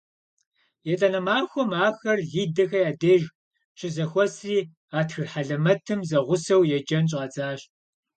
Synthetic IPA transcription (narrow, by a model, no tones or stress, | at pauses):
jɛtʼɐnɐmaːxʷɔmaːxɐrɮiːdɐxɐjaːdeːʒ | ɕʼɪzɐxʷɔsriː | aːtxɨrħaɮɐmɐtʰɨmzɐʁʷʊsɐwjɛd͡ʒɐnɕ̬ʼɐt͡sʼaːɕ